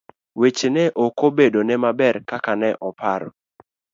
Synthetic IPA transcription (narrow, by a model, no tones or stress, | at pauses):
wet͡ʃenɛʔokobedonɛmabɛɾkakanɛʔɔpaɾɔ̰